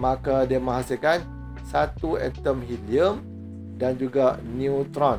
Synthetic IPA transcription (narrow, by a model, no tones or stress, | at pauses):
mãkadiamə̃ŋɦasilkan | sat̪uɛt̪əmhiliəm | dand͡ʒuɡaniut̪ɾɔn